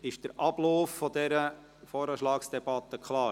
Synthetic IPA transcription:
ɪʃd̥əɾʔɑb̥loːfːɔdɛɾə | fɔːɾəʃlɑːksd̥ɛb̥ɑt̪ːəkχlɑː

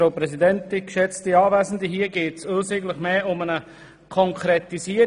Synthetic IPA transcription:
ɾoːpɾɛsidɛntɪkʃɛt͡stiɑːvæːzn̩diɦiːəɡeːtsoːsɪɡlɪχmeːʊmənə | kʰɔŋkʰɾɛt̪isiə

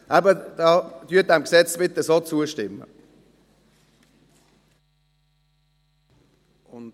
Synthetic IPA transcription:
ʔæbəd̥ɑːd̥yːt̚aɪmksɛt͡sbɪt̪əsoːt͡suəʃtɪmːə̰ | ʊn

